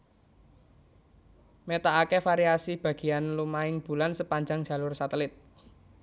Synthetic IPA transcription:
met̪aakefaɾiasib̥ä̤ɡ̥i̤janlumaɪŋb̥ṳlansəpaɲd͡ʒaŋd͡ʒ̥a̤lʊrsat̪əlɪt̪̚

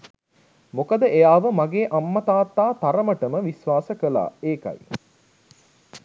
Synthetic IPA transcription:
mokəd̪əʔejaːʋəmaɡeːʔamːɐt̪aːt̪ːaːt̪aɾəməʈəməʋisʋaːsəkəla̰ːeːkɐ̰j

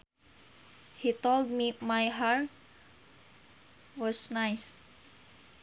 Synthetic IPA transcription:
hit̪old̚mimajɦaɹt | wɔsnajs

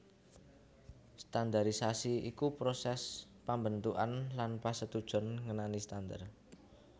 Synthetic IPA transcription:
st̪and̪aɾisasiikupɾosɛs | pambənt̪uʔanlanpasət̪ud̥ʒ̥ɔ̤nŋənanist̪and̪a̰r

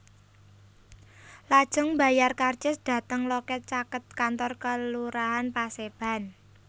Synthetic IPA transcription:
lad̥ʒ̥ʊ̤ŋba̤jarkard͡ʒɪsd̪̥ä̤t̪əŋlɔkɛt̪̚t͡ʃakət̪̚kant̪ɔrkəluɾaɦanpaseb̥a̤n

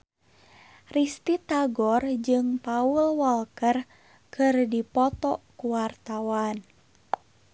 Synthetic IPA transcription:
rist̪it̪aɡɔrd͡ʒɨŋpaulwɔlkər | kɨrdipɔt̪ɔkuwart̪awan

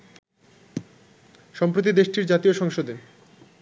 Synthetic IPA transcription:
ʃɔmpɾot̪̬id̪eʃʈiɾd͡ʑat̪ioʃɔŋʃod̪e

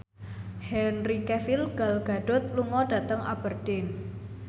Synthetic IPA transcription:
hɛnrikɛfilɡ̥a̤lɡ̥a̤ɖ̥ʊ̤t̪̚luŋɔɖ̥ä̤t̪əŋa̰b̥ərd̥ɪn

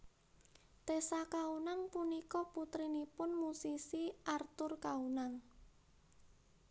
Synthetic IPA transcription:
t̪esakaunaŋpunikɔput̪ɾinipʊnmusisiʔart̪ʊrkaunaŋ

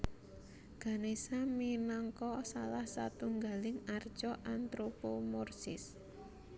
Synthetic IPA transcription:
ɡ̥a̤nesaminɔŋkɔsalahsat̪uŋɡa̤lɪŋard̥ʒ̥ɔʔant̪ɾopomɔrsɪ̰s

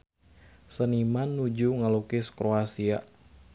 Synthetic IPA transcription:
sənimanːud͡ʒuŋalukɪskɾoasia̰

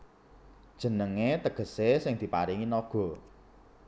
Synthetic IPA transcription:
d̥ʒ̥ə̤nəŋet̪əɡ̥ə̤sesɪŋd̪̥i̤paɾiŋinɔɡ̥ɔ̤

